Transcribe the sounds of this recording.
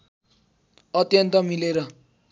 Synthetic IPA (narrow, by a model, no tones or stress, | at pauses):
ʌt̪jʌnt̪ʌmileɾʌ